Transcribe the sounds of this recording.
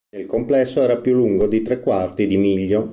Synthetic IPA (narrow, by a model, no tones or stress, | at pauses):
elkomplɛsːoɛːɾapjulːuŋɡod̪it̪ɾekːwart̪id̪imiʎːo